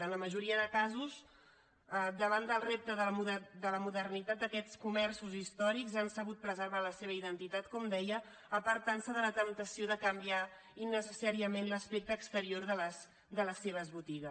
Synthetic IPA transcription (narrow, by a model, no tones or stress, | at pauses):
ənləməʒuɾiəðəkazuz | əd̪əβand̪əlˠrep̚t̪əðəluðd̪ələmuðərnit̪at̪əkɛt͡skumɛrsuzist̪ɔɾikzansəβut̪̚pɾəzəɾβ̞aləseβ̞əiðənt̪it̪at̪kɔmd̪ɛjəː | pəɾt̪ansəðələt̪əmt̪əsioðəkəmbia | inːəsəsaɾiəmenləspek̚t̪əːkst̪əɾioɾðələs | d̪ələsːeβəzβut̪iɣə